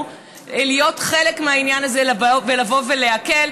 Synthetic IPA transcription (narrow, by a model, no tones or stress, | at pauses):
elijo̞tχelekmeainjanazelavelavo̞ve̞leake̞l